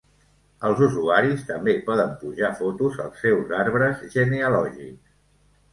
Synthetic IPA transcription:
əlˠzuzuaɾist̪əmbepɔðəmpuʒafot̪uzə̰lˠsːɛwzaɾβɾəzʒəneəlɔʒḭks

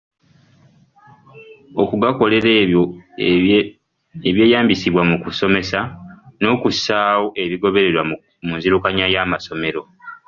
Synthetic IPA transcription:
okuɡako̞le̞ɾo | eβje̞ːjaːmbisiβwamukuso̞me̞sano̞ːkusaːwo̞ʔe̞βiɡo̞βe̞ɾe̞ɾwa | munziɾukaɲajaːmaso̞me̞ɾo̞

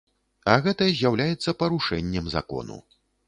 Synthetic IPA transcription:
ɐɣɛt̪ɐjɐzʲjawlʲajɛt̪sːɐpɐɾuʂɛnʲːɛmza̰kɔ̰nṵ

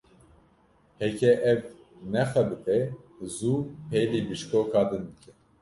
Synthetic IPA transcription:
hɛkʰɛʔɛv | nɛxɛbɨt̪ʰɛzupʰejlibɨʃkoːkʰɑːd̪ɨnb̪ɨkʰɛ

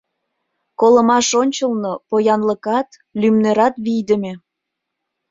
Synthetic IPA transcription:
kolə̆mɑʃonʲt͡ɕəlˠnopojɑnlə̆kɑt̪ | lymneɾɑt̪βijd̪ə̆mʲe

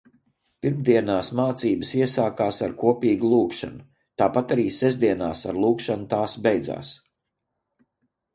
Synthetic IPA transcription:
piɾmd̪iɛnaːsmaːt̪siːbəsiɛsaːkaːsaɾkuɔpiːɡulˠuːkʃa̰nu | t̪aːpat̪aɾiːsɛzd̪iɛnaːsaɾlˠuːkʃanut̪aːsbɛjd̪za̰ːs

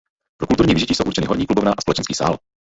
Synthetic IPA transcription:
pɾokult̪uɾɲiːvɪʒɪciːsowʔuɾt͡ʃɛnɪɦoɾɲiːklubovnaːʔaspolɛt͡ʃɛnskiːsa̰ːl

